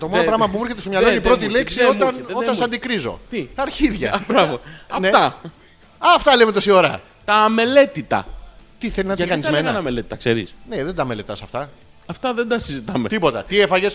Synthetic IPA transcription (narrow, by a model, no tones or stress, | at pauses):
t̪o̞monopɾɐɣmɐp̬umuɾçe̞t̪est̪omɲɐlnonipɾo̞t̪ileksioɐnoɐnsɐnd̪ikɾizo̞̰t̪iɐɾçiðʝɐ̰bɾɐvoɐnet̪ɐ | ɐft̪ɐlemet̪osio̞ɾɐ | t̪ɐme̞le̞t̪it̪ɐ̰t̪iθelinɐt̪ɐnizzmenɐɐnɐmele̞t̪i̥t̪ɐkseɾḭsneðend̪ɐme̞le̞t̪ɐsɐft̪ɐ | ɐft̪ɐðend̪ɐsizit̪ɐmet̪ipo̞t̪ɐt̪iefɐʝes